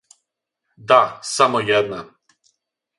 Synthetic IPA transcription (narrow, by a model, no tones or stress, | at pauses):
d̪asamojɛd̪na